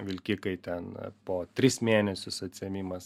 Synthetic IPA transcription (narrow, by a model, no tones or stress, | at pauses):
ʋʲɪlʲkʲɪkɐɪt̪ʲɛnpoːt̪ʲɾʲɪsmʲeːnʲɛsʲʊsɐt̪ʲsʲɪɛmʲiːmɐs